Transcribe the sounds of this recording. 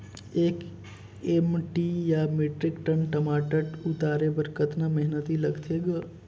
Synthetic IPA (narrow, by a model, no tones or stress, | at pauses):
ek | emʈijameːʈɾɪkʈənʈəmaːʈəʈʊt̪aːɾebəɾkət̪naməɦnət̪iləɡt̪ʰeɡə